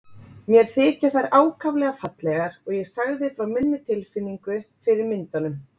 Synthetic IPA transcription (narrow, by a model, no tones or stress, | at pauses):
mjɛɾ̥θɪːt̪ɪ̥θaɾaːwkʰavlɛɣafat̪lɛɣaɾɔɣjɛɣsaɣðɪfɾawmɪnːʏt̪ʰɪlfɪnːiŋkʏfɪɾɪɾmɪnt̪anʏm